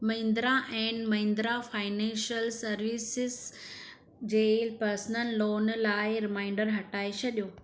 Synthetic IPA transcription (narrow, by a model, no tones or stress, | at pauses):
mɐ̃ĩnd̪ɾaʔɛ̃ːnmɐ̃ɪ̃nd̪ɾafaːɪnɛ̃nʃəlsɐɾʋiːsɪz | d͡ʑeːpɐɾsnəlːoːnlaːɪɾɪmãːɪ̃ɳɖəɾɦɐʈaːɪt͡ɕʰɐɗijoː